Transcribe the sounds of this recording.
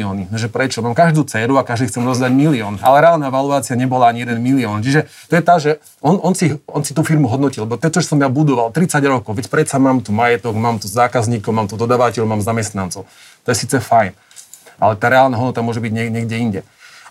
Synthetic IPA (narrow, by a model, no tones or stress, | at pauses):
ɔːniʒɛpɾɛt͡ʃɔmaːmkaʒd̪uːt͡sɛːɾuakaʒd̪iːxt͡sɛmdɔzd̪aɟmiliɔːna̰lɛɾɛaːlˠnaʋaluaːt͡siaɲɛbɔlaaɲijɛd̪ɛnmiliɔːnt͡ʃiʒɛ | t̪ɔjɛt̪aʒɛ | ʔɔnʔɔnsiɦɔnsit̪uːfiɾmuɦɔd̪nɔcilɛbɔt̪ɔɛt͡ʃɔɛsɔmjabud̪ɔʋalt̪ɾit͡saɟɾɔkɔʊʋɛcpɾɛt̪t͡samaːmt̪umajɛt̪ɔɡmaːmt̪uzaːkazɲiːkɔʊmaːmt̪ud̪ɔd̪aːʋacɛʎumaːmzamɛst̪nant͡sɔʊ | t̪ɔjɛsiːt͡sɛfajn | ʔa̰lɛt̪aːɾɛaːlnaɦɔd̪nɔt̪amʊɔʒɛbiɟɲɛɲɛɡɟɛiɲɟɛ